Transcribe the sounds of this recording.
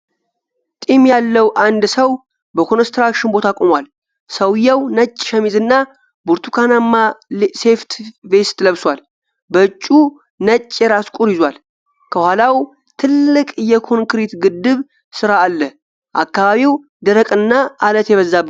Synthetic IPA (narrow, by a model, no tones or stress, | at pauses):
t̪ʼimjalːəwʔand̪səw | bəkʰo̞nəst̪ɾakʃɪnbo̞t̪ʰakʼomwal | səwjəwnət͡ʃʼːʃɛmizɨnːa | buɾt̪ʰukʰanamːase̞ft̪ʰve̞st̪ʰləβswʷal | bəɨt͡ʃʼːu | nət͡ʃʼːɛɾaskʷʼuɾizwal | kʰəhʷalaw | t̪ʰɨlːɨkʼjɛkʰo̞ŋkɾit̪ɡɨd̪ːɨβ | sɨɾaːlːəh | ʔakːaβaβiw | d̪əɾəkʼɨnːaʔalət̪jɛβəzːab